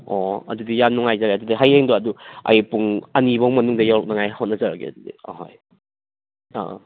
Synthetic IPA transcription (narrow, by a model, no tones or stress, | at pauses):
ɔɐ̰dudijamnɔŋajzaɾaɐdudiɦajeŋdoɐduɐ̰jpuŋɐnibɐwmɐnuŋdɐjawɾɔk̚nɐŋajhot̚nɐzɐɾaɡḛɐ̰dudḭa̰ɦo̰j | a̰